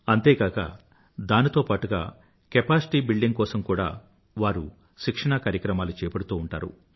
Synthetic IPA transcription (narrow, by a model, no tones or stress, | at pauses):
ɐnt̪eːkaːkɐ̰ | d̪aːnit̪oːpaːʈuɡa̰ː | kepaːsi̥ʈiːbiɭɖiŋɡ̚kɔːsɐmkuːɽa̰ː | ʋaːɾu | ʃikʂɐɳɐkaːɾjɐkɾɐmaːlut͡ʃɛːpɐɽut̪uːɳʈa̰ːɾṵ